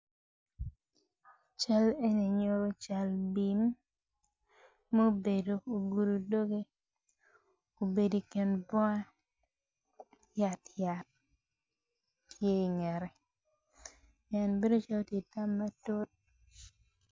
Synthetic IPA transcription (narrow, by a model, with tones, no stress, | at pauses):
t͡ʃa˦le˦ne˨ɲo˦ɾo˦t͡ʃa˨lbi˨n | mo˦o˦be˨do˨o˨ɡu˨ɾu˨do˦ɡe˦ | o˨be˨di˨ke˨nbɔ˦a˦ | ja˨tja˨t̚ | tje˦i˨ŋɛ˨ɾɛ˨ | ɛ˨nbe˦do˦t͡ʃa˦lo˦tje˨ta˦mːa˦to˦t̚